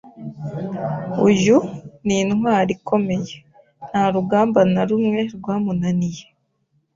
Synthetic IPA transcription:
uʒuninhwaːɾikʰo̞me̞je | n̥haɾuɡaːmbanaɾumŋe̞ɾɡwaːmunanije

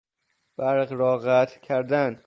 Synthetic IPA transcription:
b̥æɾɢɾɒːɢæt̪ʰcʲʰæɾd̪æn

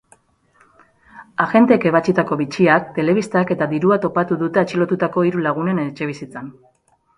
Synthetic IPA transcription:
aɣe̞nt̪eke̞βat͡ʃit̪ako̞βit͡ʃiakt̪e̞le̞β̞ist̪ake̞t̪aðiɾuat̪o̞pat̪uðut̪e̞at͡ʃilo̞t̪ut̪ako̞iɾulaɣ̞une̞net͡ʃe̞β̞isit͡san

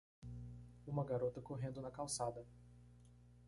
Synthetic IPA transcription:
ũmɐɡaɾot̪ɐkoɦẽnd̪ʊnɐkawsad̪ɐ

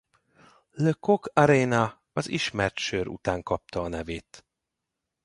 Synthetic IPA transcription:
løkokɒɾeːnɒ | ɒziʃmɛrt̪ʃøːɾṵt̪aːŋkɒp̚t̪ɒːnɛveːt̪

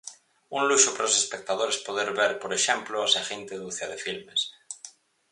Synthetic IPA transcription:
unluʃopaɾaosespek̚t̪að̞oɾespoðeɾβeɾpoɾeʃemploasaxent̪eðuθjaðefilmes

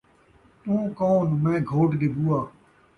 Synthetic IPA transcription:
t̪ũːkoːnmẽːɡʱoːʈd̪ebuːaː

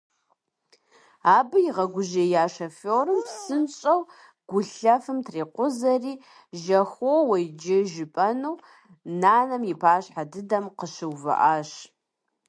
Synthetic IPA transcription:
aːbɨjɪʁɐɡʷʊʒejaːʃɐfoːrɨmpsɨnɕʼɐw | ɡ̥ʷʊɬɐfɨmtʰreːqʷʊzɐriː | ʒɐxʷowɐjd͡ʒɪʒɪpʼɐnuw | naːnɐmjɪpʰaːɕħadɨdɐmqəʃɪwvɐ̰ʔaːʃ

